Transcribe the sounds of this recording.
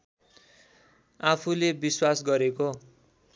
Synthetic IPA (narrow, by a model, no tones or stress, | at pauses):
apʰulebiswasɡʌɾeko